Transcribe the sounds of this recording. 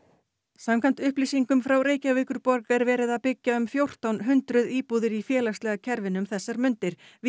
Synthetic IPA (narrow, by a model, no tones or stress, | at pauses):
samkʰant̪ʏhpliːsiŋkʏmfɾawɾeːjcavɪːkʏɾpɔɾkɛɾvɛːɾɪðapɪcːaʏmfjowr̥t̪awnɦʏnt̪ɾʏðiːpuːðɪɾifjɛːlakst̪lɛɣacʰɛɾvɪnʏmθɛsːaɾmʏnt̪ɪɾ̥v